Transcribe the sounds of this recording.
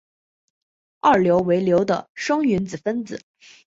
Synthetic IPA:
ɑ˥˩ljo˧˥ʊwe˧˥ɪljo˧˥ʊd̪ə̰˧ʂɤ˥ŋy˧˥nd͡zɹ̩˨˩fə˥nd͡zɹ̩˨˩˦

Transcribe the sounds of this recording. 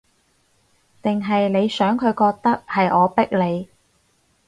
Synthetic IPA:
t̪ɪ˨ŋɦɐ˨jne˨˧jsœː˨˥ŋkʰɵ˨˧ɥkɔː˧k̚t̪ɐ˥k̚hɐ˨jʔɔː˨˧pɪ˥k̚le˨˧j

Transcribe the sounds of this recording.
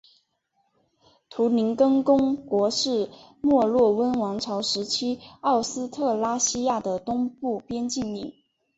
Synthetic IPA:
t̪ʰu˧˥ni˧˥nkɤ˥ŋkʊ˥ŋkwɔ˧˥ʂɻ̩˥˩ | mwɔ˥˧lwɔ˥˩wə˥nwɑ˧˥ŋʈ͡ʂʰɑ˧˥ʊʂɻ̩˧˥t͡ɕʰi˥ɑ˥˩ʊsɹ̩˥t̪ʰɤ˥˩la˥ɕi˥ja˥˩d̪ə˩t̪ʊ˥ŋpu˥˩pjɛ˥nt͡ɕi˥˧ni˥˩ŋ

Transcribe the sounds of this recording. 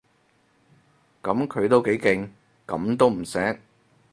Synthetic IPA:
kɐ˨˥mkʰɵ˨˧ɥt̪o˥wke˨˥jkɪ˧ŋ | kɐ̰˨˥mt̪o˥wm̩˨˩sɛː˨˥k̚

